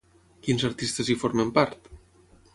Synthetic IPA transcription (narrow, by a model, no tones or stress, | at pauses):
kinzəɾt̪ist̪ezifoɾmempaɾt̪